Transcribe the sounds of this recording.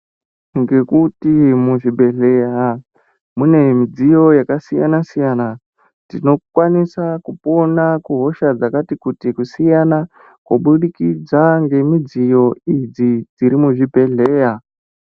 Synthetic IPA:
ŋɡe̞kutimuʐibʱe̞ɮe̞ja | mune̞mid͡zijo̞jakasija̰nasijana | tino̞kwanisakupo̞nakuɦo̞ʃad͡zakatikutikusijana | kwoɓuɗikid͡zaŋɡe̞mid͡zijo̞id͡zid͡ziɾimuʐibʱe̞ɮe̞ːja

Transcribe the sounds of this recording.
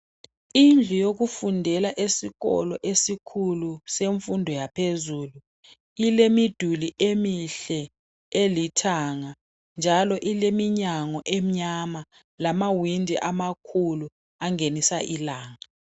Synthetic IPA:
ind͡ɮʱujok̬ufundʱɛlaʔesiɣɔ̰lɔʔesikʰuluseɱfundʱɔjapʰezuːlu | ilemid̥ʱuliʔemiɬɛ | elitʰaŋa | nd͡ʒʱalɔʔilemiɲaŋɔʔem̩ɲama | lamawindʱḭʔamakʰulu | aŋenisaʔilaːŋa

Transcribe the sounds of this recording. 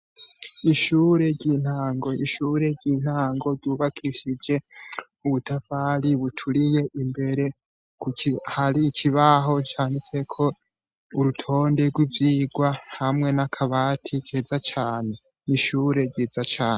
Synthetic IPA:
iʃuːɾe̞ɾɟiːn̥aːŋɡo̞iʃuːɾe̞ɾɟiːn̥haːŋɡo̞ɾɟuːβakʰiʃid͡ʒe̞ | uβutafaɾiβutʰuɾije̞ʔimbe̞ɾe̞ | kuihaɾikʰiβaɦo̞t͡ʃaːnit͡se̞kʰo̞ | uɾutʰo̞ːnde̞ɡwivjiːɡwahamŋe̞nakʰaβaːtʰikʰeːzat͡ʃaːne̞ | niʃuːɾe̞ɾɟiːzat͡ʃaːne

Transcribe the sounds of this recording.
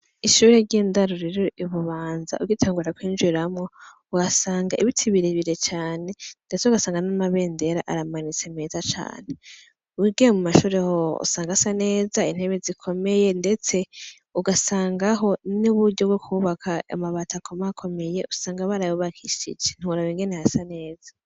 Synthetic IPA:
iʃuːɾeɾɟiːndaɾuɾiɾoʔiβuβaːnza̰ʔuɡitʰaːŋɡuɾakwiːnd͡ʒiɾamŋo̞ | uɡasaːŋɡaʔiβitʰiβiɾiβiɾe̞t͡ʃaːne̞nde̞t͡seuɡasaːŋɡanamaβe̞ːnde̞ɾaʔaɾamanit͡se̞meːzat͡ʃa̰ːne̞ | uwiɡijemumaʃuːɾehoṵsaːŋɡasane̞ːzain̥heβezikʰo̞me̞je̞nde̞t͡se̞ | uɡasaːŋɡaɦo̞nuβuɾɟobɡokʰuːβakʰaa̰maβatʰakʰomaakʰo̞me̞je̞usaːŋɡaβaɾajuβakʰiʃḭd͡ʒe̞n̥huuɾaβiŋɡe̞nehasane̞ːz̥a

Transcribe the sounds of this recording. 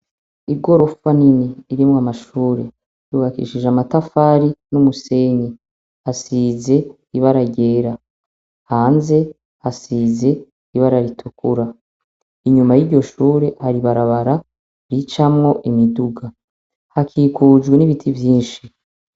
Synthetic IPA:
iɡo̞ɾo̞faniniːɾimwamaʃuːɾe̞̰ | juːβakḭʃiʒamatafaːɾinumuse̞ɲe | hasiːze̞ | iβaɾaɟe̞ːɾa | haːnze̞ | hasiːze̞ | iβaɾaɾitʰukṵɾa | iɲumajiɾɟo̞ʃuːɾe̞haɾiβaɾaβaɾa | ɾit͡ʃamŋo̞ʔimiduɡa | hakʰiːkuːd͡ʒɡwe̞niβitʰivjiːnʃi

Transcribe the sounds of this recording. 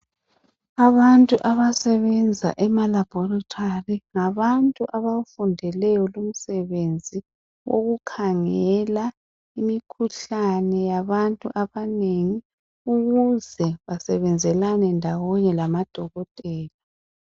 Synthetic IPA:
aβantʼuʔaβasɛβɛnd͡zʱa̰ʔɛmalab̥ʱɔrɔtʰariŋaβantʼuʔaβafundʱɛlɛjɔlum̩sɛβend͡zʱi | wʔo̰ɣukʰaŋɛla | imikʰuɬanɛjaβantʼuʔaβaneŋi | uɣuzɛβasɛβɛnd͡zʱɛlanɛndʱawɔɲɛlamad̥ʱɔɣɔtʼɛːla

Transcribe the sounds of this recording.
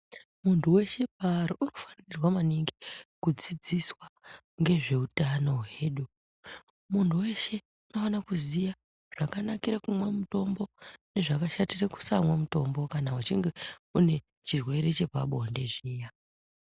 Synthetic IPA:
muntʰuwe̞ʃe̞p̚aɾoʔuno̞fḁnirwamaniŋɡikud͡zid͡ziswa | ŋɡe̞ʐe̞utano̞je̞ːɗu | muntʰuwe̞ʃe̞ | uno̞fanakuzija | ʐ̥akanakiɾekumwamuto̞mbo̞ne̞ʐakaʃatireku̥samwamuto̞mbo̞kanaut͡ʃiŋɡe̞une̞ | t͡ʃirwe̞ɾe̞t͡ʃe̞pa̰ɓonde̞ʐiːja

